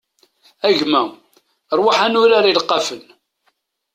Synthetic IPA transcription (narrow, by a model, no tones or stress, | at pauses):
æʝmæ | ɾˤwaħænʊɾaɾilqːɑfəl